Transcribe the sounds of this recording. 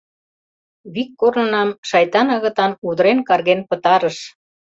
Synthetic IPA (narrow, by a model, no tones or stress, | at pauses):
βikːornənɑmʃɑjt̪ɑnɤ̆ɣɤ̆t̪ɑnud̪ɾenkɑrɣenpə̆t̪ɑɾəʃ